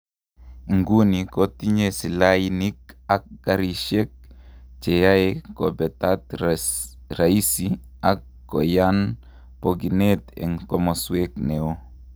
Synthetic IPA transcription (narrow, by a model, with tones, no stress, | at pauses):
ŋɡu˦ni˨ko˦t̪i˦ɲe˦si˨lajini˦ka˨k̚ɡ̥aɾiʃe˦k̚t͡ʃe˨jaeko˨bɛ˨t̪at̪ | ɾai˦si | akːo˨jan | poɡi˨net̪ɛ̰˨ŋkɔ˦mɔswekne˨o˦